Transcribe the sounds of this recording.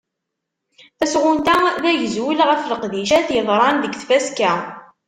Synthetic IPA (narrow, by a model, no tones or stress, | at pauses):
θæsʁʊnt̪æðæjəzwilʁəfləqðiʃæθjəðˤɾˤɑnðəɡθfæskæ